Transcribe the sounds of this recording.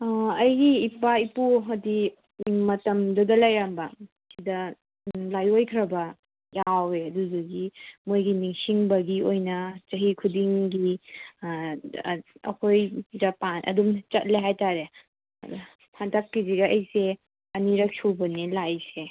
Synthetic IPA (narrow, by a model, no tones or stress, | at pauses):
ɐjɡiːpaipuɦɐdi | mɐtɐmdudɐlɐjɾambɐ | sidɐ | lajojkʰɾɐbɐ | jaweɐduzuɡimojɡiniŋsiŋbɐɡiojnɐt͡ʃɐɦikʰudiŋɡi | ɐ̰kʰojɾɐpanɐ̰dumt͡ʃɐt̚leɦajtaɾe | pʰandakːiziɡɐɐjse | ɐniɾɐk̚suwbɐnilajse